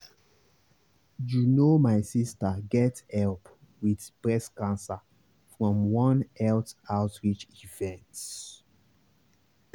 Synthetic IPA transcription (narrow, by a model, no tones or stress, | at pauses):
junomaɪsistəɡɛthɛlp | wiðpɹɛskãnsa | fɹɔ̃mwʌ̃nɛltaʊtɹit͡ʃivɛ̃nts